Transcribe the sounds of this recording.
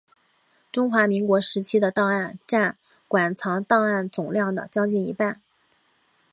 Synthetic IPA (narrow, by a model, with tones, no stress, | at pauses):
ʈ͡ʂʊ˥ŋxwa˧˥mi˧˥ŋkwɔ˧˥ʂɻ̩˧˥t͡ɕʰi˥d̪ə˨˧t̪ɑ˥˧ŋa˥˧nʈ͡ʂa˥˩n | kwa˨˩nt͡sʰɑ˧˥ŋt̪ɑ˥˧ŋa˥˩nt͡sʊ˨˩ŋljɑ˥˩ŋd̪ə̰˩t͡ɕjɑ˥ʊt͡ɕi˥˩nḭ˧˥pa˥˩n